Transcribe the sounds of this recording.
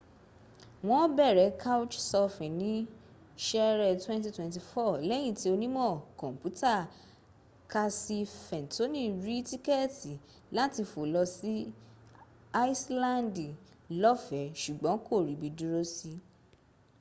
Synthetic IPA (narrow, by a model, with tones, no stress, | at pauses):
w̃ɔ̃˦bɛ˦˨ɾɛ˨˦ka˦u˦t͡ʃsɔ˧fɛ̃˨nĩ˨˦ | ʃɛ˦ɾɛ˦˨twɛ̃˦nti˧twɛ̃˧nt̬i˧fɔ˦˨lɛ˦j̃ĩ˦˨ti˨˦o˧nĩ˦mɔ̃˦˨kɔ̃˨m˨pu˨˦ta˦˨ | ka˧si˧fɛ̃˨n˨to˨˦nĩ˦˨ɾi˦ti˦kɛ˦˨ti˨ | la˦ti˧fo˨lɔ˧si˦ | a˦i˦slã˦˨ndi˨ | lɔ˦fɛ˨˦ʃu˨ɡ͡bɔ̃˨˦ko˦˨ɾi˨˦bi˧du˦ɾo˦si˧